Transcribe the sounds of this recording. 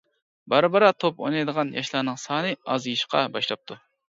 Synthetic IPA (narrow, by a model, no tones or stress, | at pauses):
bɑɾbəɾɑt̪ʰopo̰nɑjd̪əʁɑnjɑ̰ʃlˠɑːnɨŋsɑːnɨɑzjiʃqɑ̰bɑʃlˠɑp̚t̪ʰu